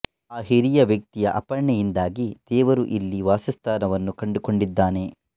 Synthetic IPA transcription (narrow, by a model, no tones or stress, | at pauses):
aːɦiɾijɐʋjɐk̚t̪ijɐʔɐpɐɾɳɛjind̪aːɡid̪̥ɛːʋɐɾuʔilːiʋaːsist̪ʰaːnɐʋɐnːukɐɳɖuko̞ɳɖid̪ːaːne̞